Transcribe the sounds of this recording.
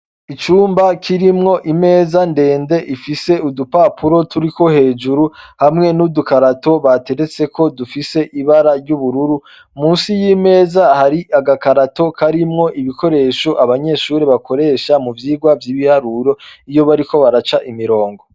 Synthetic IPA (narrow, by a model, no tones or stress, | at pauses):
it͡ʃuːmbakʰiɾimŋo̞ʔime̞ːzande̞ːnde̞ʔifise̞udupapuɾo̞tuɾiko̞he̞ːd͡ʒuɾuhamŋe̞nudukaɾato̞βate̞ɾe̞t͡se̞kʰo̞dufise̞ʔiβaɾaɾɟuβuɾuɾu | muːnsijiːme̞ːzahaɾiʔaɡakaɾato̞kʰaɾimŋo̞ʔiβiko̞ɾe̞ːʃoʔaβaɲe̞ʃuːɾeβako̞ɾe̞ːʃamuvjiːɡwavjiːβihaɾuɾo̞ijo̞βaɾiko̞βaɾat͡ʃaʔimiɾo̞ːŋɡo̞